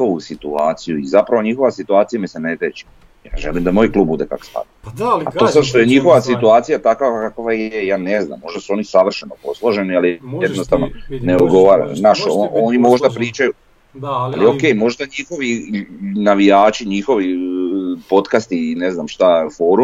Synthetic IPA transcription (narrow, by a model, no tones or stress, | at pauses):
o̞ʋusit̪uaːt̪sijuizapɾaʋo̞ɲixo̞ʋasit̪uaːt̪sijamisenet̪et͡ʃi̥ | jaːʒelimd̪amo̞ːjklˠub̚bud̪e̞ka̰ko̥spa̰d̪aa̰t̪osad̪ʃt̪o̞jeɲixo̞ʋasit̪uaːt̪sijat̪akakakʋajejaːnezna̰mːo̞ʒd̪asuo̞ːnisaʋr̩ʃenopo̞slˠoʒe̞nialijed̪nost̪aʋnoneod̪ɡo̞ʋaːɾa̰naʃoʔoːnimo̞ʒd̪apɾiːt͡ʃaju | alio̞ke̞ːjmo̞ʒd̪aɲixo̞ʋi | naʋijaːt͡ʃiɲixo̞ʋi | po̞t̪kast̪ine̞znamʃt̪afo̞ːɾu